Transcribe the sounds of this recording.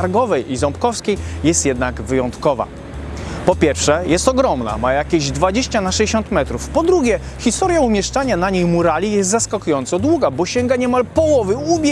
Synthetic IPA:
aɾɡɔvɛjizɔmpkɔfskʲejjɛst̪jɛd̪naɡvɘjɔnt̪kɔva̰ | pɔpʲjɛɾfʂɛjɛst̪ɔɡɾɔmna̰majakʲeʑd̪vad͡ʑeɕt͡ɕanaʂɛjʲeɕɔnt̪mɛt̪ɾufpɔd̪ɾuɡʲjɛ | xʲist̪ɔɾjaumʲjɛʂt͡ʂaɲanaɲejmuɾalʲijɛst̪zaskakujɔnt̪sɔd̪wuɡabɔɕɛŋɡaɲɛmalpɔwɔvɘubʲ

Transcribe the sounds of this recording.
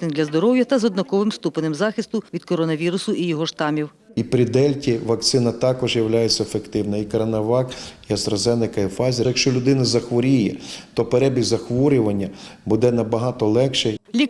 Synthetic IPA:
ɪnd̪lʲɐzd̪ɔɾɔwjɐt̪ɐzɔd̪nɔkɔʋɪmst̪upɐnɪmzɑxʲɪst̪ʊʋʲid̪kɔɾɔnɐʋʲiɾʊsʊʔijɔɦɔʃt̪ɑmʲiw | ipɾʲɪd̪ɛlʲtʲiʋɐkt̪sɪnɐt̪ɑkɔʒjɐwlʲajet͡sʲːɐefekt̪ɪwnɐikɐɾɐnɐʋɑkiɐst̪ɾɐzɛnɪkɐifɑzʲijɐkʃt͡ʃɔlʲʊd̪ɪnɐzɐxʋɔɾʲijɛt̪ɔpeɾɛbʲizɐxʋɔɾʲʊʋɐnʲːɐbud̪ɛnɐbɐɦɑt̪ɔlˠɛkʃɛlʲi

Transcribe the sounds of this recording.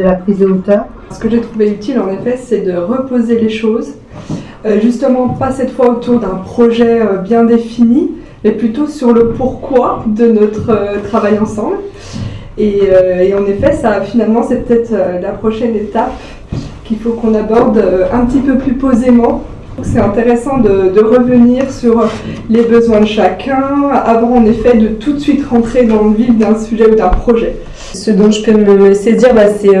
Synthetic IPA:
əlapχizd̪eot̪œːʁ | sə̥kəʒet̪χuveyt̪ʰilɑ̃nefɛsɛd̪əʁəpozeleʃoz | øʒyst̪əmɑ̃pasɛt̪fwaot̪uʁd̪ɛ̃pχɔʒɛøbjɛ̃d̪efini | mɛplyt̪osyʁləpuʁkwad̪ənɔt̪χət̪χavajɑ̃sɑ̃bl | eøeɑ̃nefɛsafinalmɑ̃sɛpə̥t̪ɛt̪χølapχɔʃɛnet̪ap | kʲilfokɔ̃nabɔʁd̪øɛ̃pət̪ipøplypozemɑ̃ | ɔkə̥sɛt̪ɛ̃t̪eʁesɑ̃d̪əd̪əʁəvəniʁsyʁlebəzwɛ̃d̪əʃakʲʰɛ̃avɑ̃ːnefɛd̪ət̪ut̪sɥit̪ʁɑ̃t̪χed̪ɑ̃ləvid̪ɛ̃syʒɛud̪ɛ̃pχɔʒɛ | səd̪ɔ̃ʒəpøməseziʁbasɛ

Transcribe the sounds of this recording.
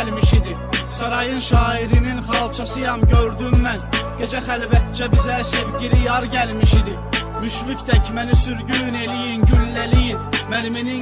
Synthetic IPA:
lmiʃid̪i | sɑɾɑjɯnʃɑːiɾininχɑlˠt͡ʃʰɑsɯjɑmɟøɾd̪ymmænɡ̥ed͡ʒæχælvæt̪̚d͡ʒæbizæsevɟiɾijɑɾɟælmiʃid̪i | myʃvycd̪æcʰmænisyɾɟyne̞lijinɟylːælijinmælmini

